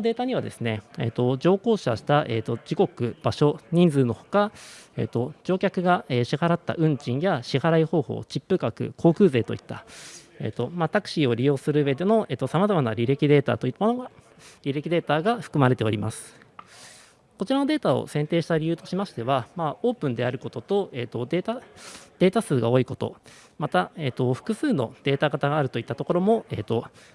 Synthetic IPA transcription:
od̪e̞ːt̪aɲ̟iβad̪e̞̰sɨne̞ḛːt̪o̞d͡ʑo̞ːko̞ːɕaɕi̥t̪aʔeːt̪ːo̞d͡ʑiko̞kɯ̟b̥aɕo̞ɲ̟ĩnd͡zɨːno̞ho̞̥kaḛːt̪ːo̞d͡ʑo̞ːkʲakɯ̟ɡaeːɕihaɾat̪ːa̰ʔɯ̟̃ɲd͡ʑĩɰ̃jaɕihaɾaiho̞ːho̞̰ːt͡ɕipːɯ̟kakɯ̟̰kʰo̞ːkɯ̟ːze̞ːt̪o̞ḭt̪ːa̰ | ḛːt̪ːo̞mat̪akɯ̟̥ɕio̞ɾʲijo̞ːsɨɾɯ̟ɯ̟βe̞d̪e̞no̞e̞ːt̪ːo̞samazamanaɾʲiɾe̞kʲid̪e̞ːt̪a̰ːt̪o̞it̪ːamonoɡa | ɾʲiɾe̞kʲid̪e̞ːt̪aːɡaɸɯ̟̥kɯ̟maɾe̞t̪e̞o̞ɾʲima̰sɨ̥ | ko̞t͡ɕiɾano̞d̪e̞ːt̪ao̞̰sẽ̞nt̪e̞ːɕi̥t̪aɾʲijɯ̟ːt̪o̞ɕimaɕi̥t̪e̞βamao̞ːpɯ̟̃nd̪e̞aɾɯ̟ko̞t̪o̞t̪o̞e̞ːt̪o̞d̪et̪ad̪̥e̞ːt̪asɨːɡao̞ːiko̞t̪o̞̰ | mat̪ae̞ːt̪ːo̞ɸɯ̥kɯ̟sɨːno̞̰d̪̥e̞ːt̪aɡat̪aɡaːɾɯ̟t̪o̞it̪ːat̪oko̞ɾo̞mo̞e̞ːt̪o̞

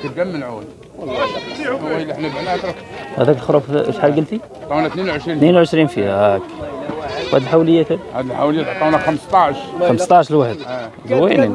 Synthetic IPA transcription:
t̪əɡæmːənʕawæl | wlˤːɑwæjlːiħnæbanæt̪ɾˤ | hæ̰d̪ækəlxɾˤuffħalɡəlt̪i | t̪ˤːɑwnæt̪ninwʕəʃɾinninwʕəʃɾinfihææk | whæd̪əlħawləjːæt̪æhæd̪lħawləjæt̪ʕt̪ˤːɑnæxəmst̪ˤɑʕʃxəməsˤt̪ˤɑʕəʃəlwaħəd̪ | wæni

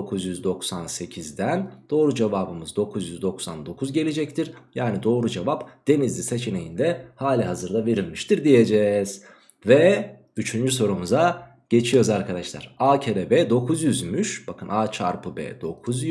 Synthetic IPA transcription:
okʰuzjyzd̪o̞ksanse̞cʰizd̪ænd̪̥o̞ːɾud͡ʒevaːbɯmɯzd̪o̞kʰuzjyzd̪o̞ksand̪o̞kʰuzɟe̞lʲed͡ʒɛct̪ʰiɾ̥jaːnid̪o̞ːɾud͡ʒevapd̪̥e̞nizlʲise̞t͡ʃʰene̞jind̪ɛhaːlʲiɦazɯɾd̪ave̞ɾilʲmiʃt̪ʰiɾd̪ije̞d͡ʒɛz̥ | vɛ | yt͡ʃʰynd͡ʒyso̞ɾumuza | ɟ̥e̞t͡ʃʰijo̞ɾzaɾkʰad̪aʃlˠa̰ɾaːcʰeɾebɛːd̪o̞kʰuzjyzmyʃb̥akʰɯnaːt͡ʃʰa̰ɾpɯbɛ̰ːd̪̥o̞kʰuzj

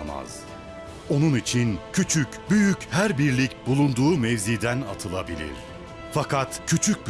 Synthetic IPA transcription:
ma̰z̥ | o̞nunit͡ʃʰincʰyt͡ʃʰycbyjychæɾbiɾlʲicbulˠund̪uːmɛvzid̪æna̰t̪ʰɯlˠabilʲḭɾ̥ | fakʰat̪cʰyt͡ʃʰyc̚b

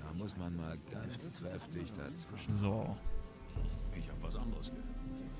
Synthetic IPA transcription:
d̥aːmʊsmanmaːlɡant͡skʁ̥ɛftʰɪçd̥a̰t͡sv̥ɪʃn̩zoː | ʔɪçhaːbəvasʔandəʁəsɡ̥əhɛ

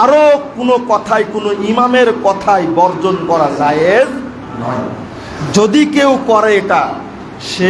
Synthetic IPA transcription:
aɾokonokɔt̪ʰajkonoimameɾkɔt̪ʰajbɔɾd͡ʑonkɔɾad͡ʑajez | nɔj | d͡ʑod̪ikewkɔɾeeʈa | ʃe

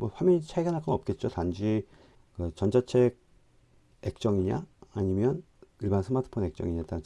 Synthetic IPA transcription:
mwʌɸwamint͡ɕʰaiɡanak͈ʌnʌp̚k͈e̞t̚t͡ɕ͈otand͡ʑi | kɯt͡ɕʌnd͡ʑat͡ɕʰe̞ɡ̚ | e̞k̚t͡ɕ͈ʌŋiɲa̰aɲimjʌn | ɯɭbansʰɯmatʰɯ̥pʰonek̚t͡ɕ͈ʌ̰ŋiɲat͈an

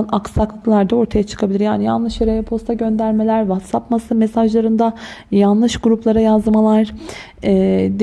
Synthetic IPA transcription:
naksak̪ɯklˠaɾd̪ao̞ɾt̪ʰajat͡ʃʰɯ̥kʰabilʲiɾjaːnijanlˠɯʃjeɾejɛpʰo̞st̪ʰaɟø̞nd̪æɾme̞lʲæɾvat̪sapmasɯmesaʒlˠaɾɯnd̪ajanlˠɯʃɡuɾuplˠaɾajazd̪ɯmalˠaɾ | ɛːd̪

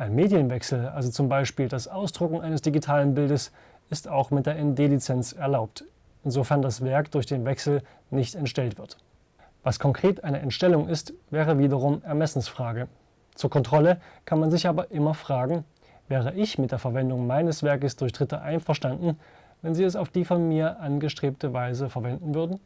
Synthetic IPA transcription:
ʔaɪnmeːdjənvɛksl̩ʔa̰lzot͡sʊmbaɪʃpiːldasʔaʊsd̥ʁʊkŋ̩ʔaɪnəsd̥iɡitʰaːlənbɪldəs | ɪstaʊxmɪtd̥eːɐʔɛndeːlit͡sɛnt͡sɛɐlaʊp̚t | ɪnzofɛɐndasv̥ɛɐkd̥ʊɐçd̥eːnvɛksl̩ | nɪçtɛntʃtɛltv̥ɪɐt | v̥askʰɔŋkʁ̥eːtʔaɪnəʔɛntʃtɛlʊŋʔɪstvɛːʁəviːdɐʁ̞ʊmɛɐmɛsn̩sfʁ̥aːɡə | t͡suːɐkʰɔntʁ̥ɔləkʰanmanzɪçʔaːbɐʔɪmɐfʁ̥aːɡŋ̩ | vɛːʁ̞əʔɪçmɪt̚d̥eːɐfɛɐvɛndʊŋmaɪnəsv̥ɛɐkəsd̥ʊɐçd̥ʁɪtɐʔaɪnfɛɐʃtandn̩ | vɛnziːɛs̬aʊfd̥iːfɔnmiːɐʔanɡəʃtʁ̥eːp̚təvaɪzəfɛɐvɛndn̩vʏɐdn̩

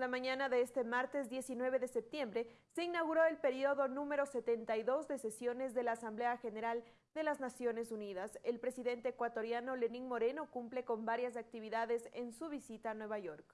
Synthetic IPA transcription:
lamãɲanaðeest̪e̞maɾt̪e̞zd̪je̞sinwe̞βe̞ðe̞sep̚t̪je̞mbɾe̞se̞inaɣuɾo̞e̞lpe̞ɾio̞ðo̞nũme̞ɾo̞se̞t̪e̞nt̪ajðo̞zd̪e̞se̞sjo̞ne̞zðe̞laːsamble̞axe̞ne̞ɾal | d̪e̞laznasjo̞ne̞suniðaselpɾe̞siðe̞nt̪eːkwat̪o̞ɾjano̞le̞niŋmo̞ɾe̞nokumple̞ko̞mbaɾjas̬ak̚t̪iβiðaðe̞sensuβ̞isit̪aːnwe̞β̞aʝo̞ɾk

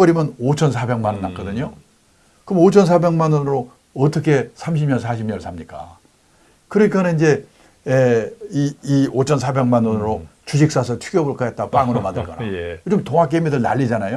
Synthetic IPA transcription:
pʌɾimʌnot͡ɕʰʌnsʰabe̞ŋmanʌnːak͈ʌdɯɲo | kɯmot͡ɕʰʌns̬ʰabe̞ŋmanʌnɯɾo | ʌt͈ʌkʰe̞sʰamɕ̬ʰimɲʌnsʰaɕʰibɲʌɭsʰamɲik͈a̰ | kɯɾʌɲik͈aneind͡ʑe̞ | eiiot͡ɕʰʌnsʰabe̞ŋmanʌnɯɾot͡ɕuɕ̬ʰik̚s͈asʰʌt͡ɕʰuɡjʌbɯɭk͈ajet̚t͈ap͈aŋɯɾomadɯɭk͈ʌnajod͡ʑomtoŋak̬͈emidɯɭna̰ʎːid͡ʑanajo

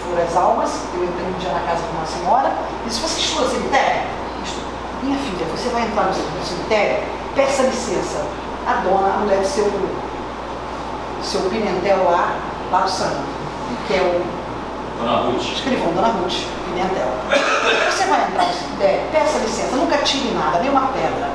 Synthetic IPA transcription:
foɾɐzawmɐs | ewẽnt̪ɾẽj̃d͡ʒiɐnɐkazɐk̪ũmɐsẽɲɔɾɐ | ɪsɪvoseɪʃt̪uɐsẽmit̪ɛɾɐ | iʃt̪o | mĩɲɐfiʎʲɐvosevajẽnt̪ɾaɾnʊsemid̪̃semit̪ɛɾʊ̰ | pɛsɐlisẽsɐ | ad̪õnɐɐ̰mulɛɾsew | sewpinẽnt̪ɛwla | lad̪ʊ̥sɐ̃nʊ | kɪɛu | d̪õnahut͡ʃɪ̥ʃkɾivɐ̃d̪õnɐɦut͡ʃɪ̥ | pinẽnt̪ɛw | vosevajẽnt̪ɾaɾnusemit̪ɛɾpɛsɐlisẽsɐnũkɐt͡ʃiɾĩnad̪ɐd̪ej̃ũmɐpɛd̪ɾɐ

